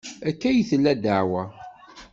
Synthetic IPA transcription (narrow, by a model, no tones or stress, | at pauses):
ækːæjθəlːæd̪əʕwæ